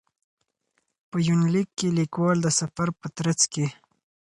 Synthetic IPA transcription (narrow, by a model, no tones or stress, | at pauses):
pəjunlikːelikwɑld̪əsafaɾpət̪ɾat͡ske